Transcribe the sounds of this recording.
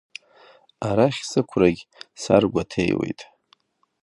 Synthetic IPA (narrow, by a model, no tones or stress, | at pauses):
aɾaχʲsɨkʷʰraɡʲsa̰rɡʷatʰḛjwḛjtʼ